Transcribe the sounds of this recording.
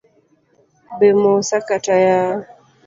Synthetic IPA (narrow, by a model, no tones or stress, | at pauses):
bemosakataja